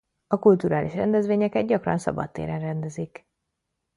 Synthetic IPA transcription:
ɒkult̪uɾaːlʔiʃrɛ̰nd̪ɛzvʋeːɲɛkɛd̪̚ɟɒkrɒ̰nsɒ̰bɒ̰t̪ːḛːɾɛnrɛnd̪ɛzik

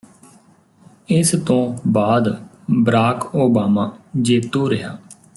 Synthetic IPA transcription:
ɪst̪õːbaːd̪ | bəɾaːkoːbaːmaːd͡ʒeːt̪oːɾəɦaː

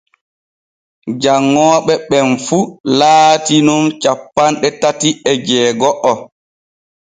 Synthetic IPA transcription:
d͡ʒaŋːɔːɓɛɓɛnfulaːtinumt͡ʃapːanɗɛtatiɛd͡ʒɛːɡɔʔɔ

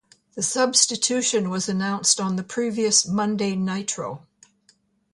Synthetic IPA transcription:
ðɨsʌbstɨtʰʉʃɨ̃nwʌzɨnãʊ̃nstn̩ðɨpʰɹ̥iviɨsmʌ̃ndeɪnaɪtɹ̥oʊ

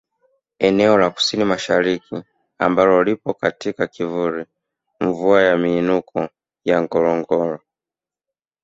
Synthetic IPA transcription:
ɛnɛɔlaku̥sinimaʃaɾiki | ambalɔlipɔkatikakivuɾi | ɱvuajamiːnukɔ | jaŋɡɔlɔŋɡɔɾɔ

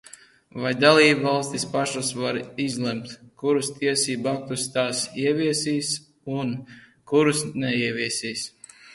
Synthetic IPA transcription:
vajd̪alˠiːbvalˠst̪ispaʃasvaɾizlˠɛmt̪kuɾust̪iɛsiːbuak̚t̪ust̪aːsiɛviɛsiːs | un | kuɾusnɛiɛvʲiɛsiːs

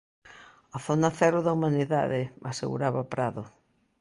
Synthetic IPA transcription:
aθonaθɛɾʊðaumaniða̰ðɪasḛɣṵɾaβapɾaðʊ

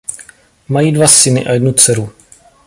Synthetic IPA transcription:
majiːdvasɪnɪ̰ʔa̰jɛdnut͡sɛɾu

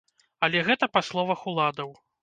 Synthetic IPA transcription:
ɐlʲɛɣɛt̪ɐpaslˠɔvɐxulˠad̪ɐw

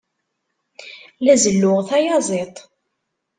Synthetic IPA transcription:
læzəlːʊʁθæjɑzˤet̪ˤ

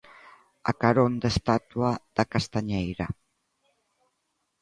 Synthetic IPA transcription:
a̰kaɾond̪est̪at̪uad̪̥akast̪aɲejɾa

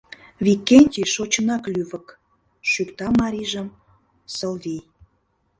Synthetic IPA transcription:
vikːenʲt̪ʲiʃot͡ɕənɑklyβək | ʃykt̪ɑmɑɾʲiʒəm | səlvij

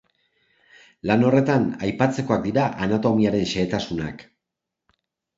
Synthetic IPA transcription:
lano̞re̞t̪anajpat͡se̞ko̞ak̚d̪iɾaʔanat̪o̞miaɾe̞nʃe̞ːt̪asuna̰k

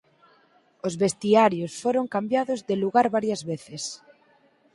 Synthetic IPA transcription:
ozβest̪iaɾjosfoɾoŋkambjaðozðeluɣaɾβaɾjazβeθes

